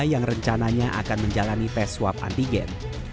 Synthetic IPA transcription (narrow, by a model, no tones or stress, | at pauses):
jaŋrəɲt͡ʃanaɲaʔa̰kanməɲd͡ʒalanipɛswapa̰nt̪iɡɛ̰n